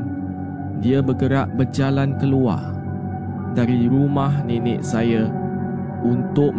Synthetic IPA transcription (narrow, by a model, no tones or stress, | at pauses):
diabəɡəɾaʔbərd͡ʒalankəlua̰r | daɾiɾumahninɪ̰ʔsaja | unt̪ʊʔ